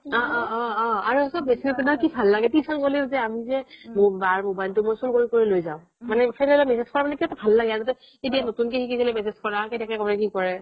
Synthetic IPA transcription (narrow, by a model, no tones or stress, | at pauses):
ɔɔːaɹusɔbːesiɔtɛnakibʱalːaɡɛtisɔnkolizɛamizɛbbaɹbʱubajltumojsulkoɹikoɹilojzaʊ̃ | manɛpʰanɛlɔmɛsezkɔɹamanɛkiatɔbʱalːaɡɛjazɔtɛ | edianotunkexikizɔlɔmɛsezkɔɹaketakɛkɔɹɛk̬ikɔɹɛ